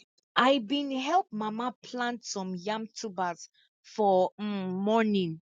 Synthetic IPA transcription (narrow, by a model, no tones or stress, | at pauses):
ʔajbĩnɦɛlˠp̚mamapʰlãntsɔ̃mjãmtʰubaz | fɔ | mɔnĩn